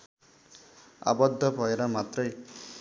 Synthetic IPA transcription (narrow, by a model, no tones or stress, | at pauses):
a̰bʌd̪ʱːʌbʱʌeɾʌmat̪rʌj